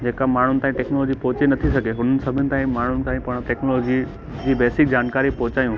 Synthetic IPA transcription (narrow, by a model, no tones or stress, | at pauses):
d͡ʑeːkamaːɳ̤ʊnɪt̪aːĩʈɛːknolɔːd͡ʑipɔɦʊt͡ɕenɐt̪ʰisɐɡʱeɦʊn̤ənɪ̆sɐbʱɪnɪ̆t̪aːĩmaːɳ̤ʊnɪ̆kʰãːĩpɐɽ̃ʈeːknolɔːd͡ʑi | d͡ʑiːbɛːsɪk̚d͡ʑaːnkaːɾipɔɦʊt͡ɕaːjũː